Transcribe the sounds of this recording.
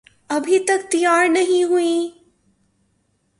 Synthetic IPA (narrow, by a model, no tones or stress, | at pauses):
ɐbʱit̪ɐkt̪ijaːɾnɐɦĩɦuĩ